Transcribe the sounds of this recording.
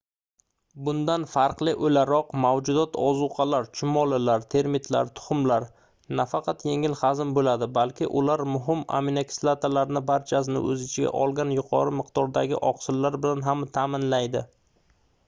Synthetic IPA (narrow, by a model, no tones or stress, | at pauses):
bʊnd̪anfaɾqlɪʔolaɾɒqmawd͡ʒʊd̪ɒt̪ʰɒzʊqʰɑlaɾt͡ʃʰʊmɒlɪlaɾt̪ʰe̞ɾmɪt̪ʰla̰ɾt̪ʰʊ̥χʊmlaɾ | nafɑqʰɑt̪jeŋɪlhazɪmbolad̪ɪbalkʲʰɪ̰ʔʊlaɾmʊɦɪma̰minekʰʲslˠat̪alaɾnɪbaɾt͡ʃʰas̬ɪnɪ̰ʔɵ̰zɪt͡ʃʰɪɡʲa̰ʔɒlˠɡʲanjʊqʰɒɾɪmɪqd̪̥ɒɾd̪aɡʲɪ̰ʔɒqsɪlːaɾbɪlanɦamt̪ʰamɪnlajd̪ɪ